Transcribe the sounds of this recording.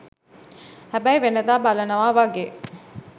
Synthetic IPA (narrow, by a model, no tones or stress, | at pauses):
hæbæjʋenəd̪aːbalənəʋaːʋaɡeː